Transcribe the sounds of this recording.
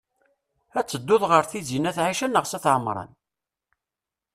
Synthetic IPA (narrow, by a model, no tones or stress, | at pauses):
æt͡sːəd̪ːʊðʁəɾθizinæθʕiʃənəʁsæθʕəmɾˤɑ̰n